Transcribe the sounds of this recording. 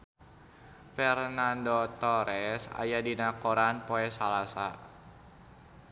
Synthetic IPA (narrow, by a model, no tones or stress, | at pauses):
fɛrnandot̪ɔɾɛsa̰jadinakoɾanpoɛsalasa